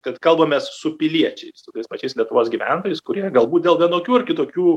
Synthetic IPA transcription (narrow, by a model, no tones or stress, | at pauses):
kɐt̪kɐlˠbɐmʲeːssʊpʲɪlʲiɛt͡ʃʲɛɪssʊt̪ɐɪspɐt͡ʃʲɛɪslʲiɛt̪ʊʋoːsɡʲiʋʲæ̰ˑnt̪oːjɛɪskʊɾʲiɛɡɐlˠbuːt̪̚d̪ʲeːlˠʋʲiɛnoːkʲuːɐrkʲɪt̪oːkʲuː